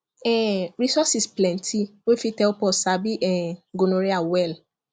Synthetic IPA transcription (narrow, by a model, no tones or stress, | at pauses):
ɛɾisɔsisplɛ̃ntʰiwefitɛlpɔsabiʔɛɡonoɾeawɛl